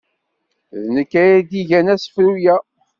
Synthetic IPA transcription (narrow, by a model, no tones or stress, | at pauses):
ðnəkːæjæd̪iʝænæsə̥fɾujæ